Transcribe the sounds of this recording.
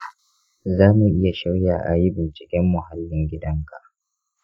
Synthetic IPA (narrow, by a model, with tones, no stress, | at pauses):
zaː˦mu˨ʔɪ˦ja˨ʃɪ˦ɽjaː˨ʔa̰˨ji˦bɪ˨nt͡ʃɪ˨kʲɛ˦mːʊ˨ɦa˦lːɪ˨ŋɡʲɪ˦dɐ˦ŋka˨ʔ